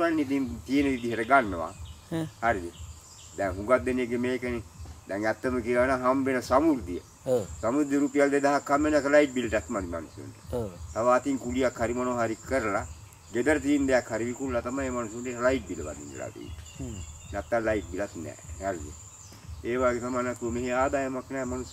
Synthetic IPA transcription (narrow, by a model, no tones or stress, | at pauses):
anːit̪int̪ijenəʋid̪iɦeɾəɡanːəʋa̰ | haɾid̪i | d̪ɛŋɦũɡat̪̚ːenieɡemeːkənid̪ɛŋæt̪ːəməkiʋanaɦambenəsamuɾd̪iə | samuɾd̪iəɾupijald̪ed̪aɦakʰːamːenɛk̪laiʈ̚bilʈat̪mad̪ima̰nusjo̰ɳʈə̥t̪aʋaːt̪iŋkulijakʰhaɾimanoɦaɾikəɾəla | ɡed̪əɾət̪̬iːmd̪ejakʰhaɾiʋikullat̪amaeːmanusəɳʈelaiʈ̚biləba̰nd̪ḭnʋḛla̰t̪ḭḭnʈə̥nɛt̪ːalaiʈ̚bilat̪nɛ̰ːhaɾid̪ḭḛ | eːʋaːɡet̪amanat̪ːuəmeɦeaːd̪aːjamaknɛːmanus